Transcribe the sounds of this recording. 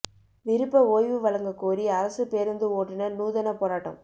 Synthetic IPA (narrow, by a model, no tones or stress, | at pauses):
ʋɪɾɯpːɐoːjʋɯʋɐlɐŋɡɐkːoːɾiɐɾɐsɯpeːɾɯnd̪ɯoːʈːɪnɐnuːðɐnɐpoːɾaːʈːɐ̰m